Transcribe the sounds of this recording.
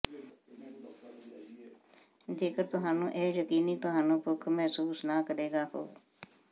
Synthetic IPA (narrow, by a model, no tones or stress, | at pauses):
d͡ʒeːkəɾt̪ʊɦaːnũːʔeːjəkiːniːt̪ʊɦaːnũːpʊkʰmɛɦsuːsnaːkəɾeːɡaːɦo̰ː